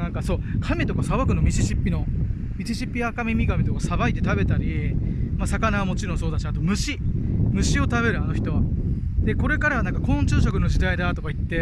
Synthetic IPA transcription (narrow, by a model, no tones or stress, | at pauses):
ãŋkaso̞ːkʰamʲit̪o̞kasaβakɯ̟no̞mʲiɕiɕipʲːino̞ | mʲiɕiɕipʲːiakamʲimʲiɡamʲit̪o̞kasabait̪ːe̞t̪abe̞t̪aɾʲimasakanaβamo̞t͡ɕiɾõ̞so̞ːd̪aɕiat̪omɯ̟ɕimɯ̟ɕio̞t̪aβe̞ɾɯ̟ano̞çi̥t̪o̞βad̪e̞ko̞ɾe̞kaɾanãŋkakõ̞ɲt͡ɕɨːɕ̬okɯno̞d͡ʑid̪aid̪at̪o̞kait̪ːe̞